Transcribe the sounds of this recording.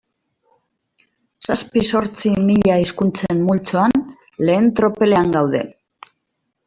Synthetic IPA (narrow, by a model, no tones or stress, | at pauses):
saspiso̞ɾt͡simiʎaiskunt͡semmult͡soan | le̞ːnt̪ɾo̞pe̞le̞aŋɡawðe̞̰